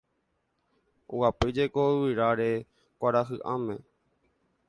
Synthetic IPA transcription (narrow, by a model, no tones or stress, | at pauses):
o̰wapɨd͡ʒekowiɾaɾe | kʷaɾaɦɨʔãmẽ̞